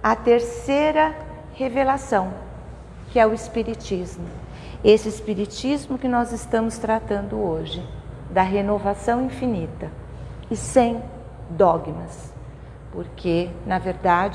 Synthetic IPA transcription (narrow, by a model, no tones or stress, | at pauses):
ɐt̪eɾseɾɐ | hevelasɐ̃w̃ | kɪɛʊɪspiɾit͡ʃizmʊ | esɪɪspiɾit͡ʃizmʊkɪnɔzɪst̪ɐ̃mʊst̪ɾat̪ɐ̃nd̪ʊoʒɪd̪ɐɦenovasɐ̃w̃ĩfinit̪ɐ | ɪsẽj̃ | d̪ɔɡmɐs | poɾkʰenɐveɾd̪ad͡ʒ